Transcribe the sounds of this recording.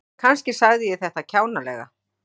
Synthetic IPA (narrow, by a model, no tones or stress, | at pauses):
kʰanscɪsaɣðɪjɛθɛht̪acʰaːwnalɛɣa̰